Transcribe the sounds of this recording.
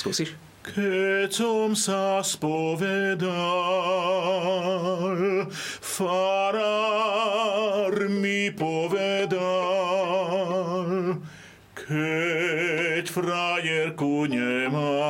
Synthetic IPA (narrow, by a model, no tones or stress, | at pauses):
skṵːsiʃ | kʰɛsɔmsaspɔʋɛd̪a | lfaɾa | ɾmipɔʋɛd̪a | l | kʰɛ | cfɾajɛɾkuɲɛma